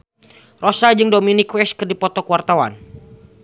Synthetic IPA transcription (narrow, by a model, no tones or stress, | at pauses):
rosad͡ʒɨŋdominikwɛskɨrdipɔt̪ɔkuwart̪awa̰n